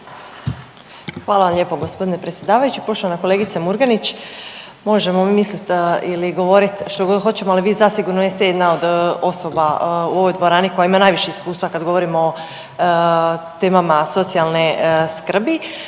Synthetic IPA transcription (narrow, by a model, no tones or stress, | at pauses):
xʋaːlaʋamʎe̞ːpoɡo̞spo̞d̪inepɾet̪sjed̪aːʋajut͡ɕipɾoʃlaanakole̞ːɡit̪semuɾɡanit͡ɕ | mo̞ʒe̞momimislit̪iliɡo̞ʋo̞ɾit̪ʃt̪oɡoxot͡ɕe̞moaliʋiːzasiɡuɾnojest̪ejed̪nao̞d̪o̞so̞bauo̞ʋo̞jd̪ʋo̞ɾaːniko̞jaimanaːjʋiʃeiskuːst̪ʋakad̪ɡo̞ʋo̞ɾimoː | t̪e̞ːmamaso̞t̪sijalˠne̞skr̩bi